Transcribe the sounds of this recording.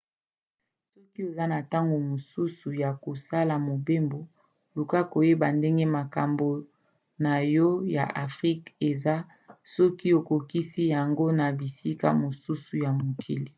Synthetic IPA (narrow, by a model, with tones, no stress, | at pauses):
sɔ˦ki˦e˨za˦na˨ta˦ŋɡo˨mo˨su˦su˨ja˨ko˨sa˦la˨mo˨be˦mbo˨ | lu˨ka˦ko˨je˦ba˨nde˦ŋɡe˦ma˨ka˨mbo˨ | na˨jɔ˦ja̰˨ʔa˨fʁi˦ke˨za˦ | sɔ˦ki˦o˨ko˨ki˦si˦ja˨ŋɡo˦na˨bi˨si˦ka̰˦mo˨su˦su˨ja˨mo˨kʰi˨li˨